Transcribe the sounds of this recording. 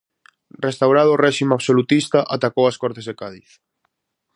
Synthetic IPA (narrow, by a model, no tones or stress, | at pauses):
rest̪awɾaðʊrɛʃimaβsolut̪ist̪aʔat̪akowaskɔɾt̪ezðekaðiθ